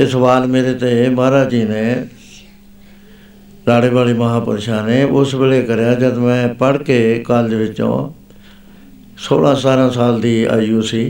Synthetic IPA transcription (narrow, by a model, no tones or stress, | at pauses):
esəʋaːlmeːɾeːt̪emaːɾaːt͡ʃiːneː | ɾaːɽeːʋaːleːməɦãːpəɾeːʃaːneːʔʊsbeːleːkəɾjaːd͡ʒəd̪mɛ̃ːpəɽkeːkaːld̪eːʋɪt͡ʃːõ̰ː | so̰ːɽãːsaːɾãːsaːld̪iːa̰ːijuːsiː